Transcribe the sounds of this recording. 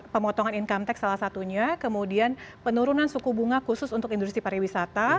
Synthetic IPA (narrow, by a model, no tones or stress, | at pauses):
pəmɔt̪ɔŋaninkamt̪ɛk̚salahsat̪uɲakəmudianpənuɾunansukubuŋakusʊsunt̪ʊkindust̪ɾipaɾiwisat̪a